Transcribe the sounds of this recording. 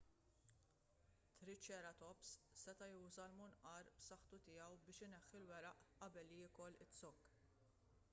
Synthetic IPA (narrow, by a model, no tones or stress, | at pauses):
t̪ɾɪt͡ʃːɛːɾɐt̪ɔpssɛt̪ɐjuːzɐlmʊnʔɐɾbsɐħt̪ʊt̪ɪjɐwbɪːʃɪnɛħːɪlwɛɾɐʔʔɐbɛlːijɪkɔlɪt͡sːɔkː